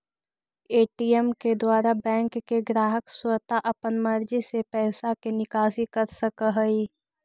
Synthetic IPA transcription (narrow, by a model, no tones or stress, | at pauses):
eːʈiɛmked̪waːɾabɛ̃ːŋkːeɡɾaːɦəkswət̪aʔɐpənmɐɾd͡ʒisepɛːsakenɪkaːsikəɾsəkəɦəi